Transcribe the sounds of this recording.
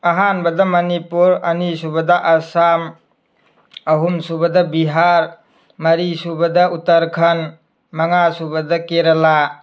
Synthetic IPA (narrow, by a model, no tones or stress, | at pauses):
ɐɦanbɐdɐmɐnipuɾɐnisubɐdɐʔɐsam | ɐɦumsubɐdɐbiɦaɾ | mɐɾisubɐdɐutɐɾkʰɐn | mɐŋasubɐdɐkeɾɐla